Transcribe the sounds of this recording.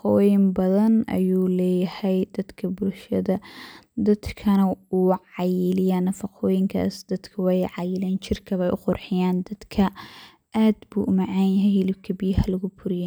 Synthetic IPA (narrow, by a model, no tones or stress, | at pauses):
fqɔːjɪmbɐðɐnʔɐ̰juːlɛːjɐhɛjd̪ɐd̪kʰɐbʊlʃɐðɐd̪ɐd̪kʰɐnɐuːʕɑjɪlɪjanːɐfɑqʰɔːjɪŋkʰa̰ːsd̪̥ɐd̪kʰɐwɑjʕɑjɪlɛːnt͡ʃɪrkʰɐβɛjʔʊqʊrħɪjaːnd̪ɐd̪kʰɐ | ʔaːd̪bṵːʔʊmɑʕɑːnjɦɛjhɪlɪb̚kʰɐbijɐhɐlɐɣʊbʰʊɾɪjɛ